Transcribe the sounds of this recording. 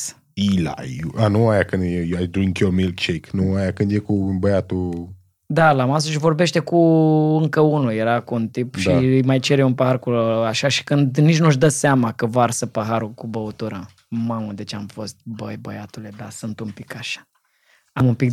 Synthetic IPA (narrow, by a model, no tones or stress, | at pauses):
ila̰juanuajakɨnd̪jejajd̪ɾiŋkomilkt͡ʃeknuajakɨnd̪jekubəjat̪u | d̪alamas̬oʃivo̞rbe̞ʃt̪e̞kuɨŋkəunuje̞ɾakuunt̪ipʃijmajt͡ʃe̞ɾeunpəɦarkuaʃaʃi̥kɨnd̪nit͡ʃʲnuʃd̪əseamakəvarsəpəɦaɾukubəot̪uɾə | maməd̪e̞t͡ʃamfo̞st̪̚bəjbəjat̪ule̞d̪asɨnt̪umpi̥kaʃḁ | amumpik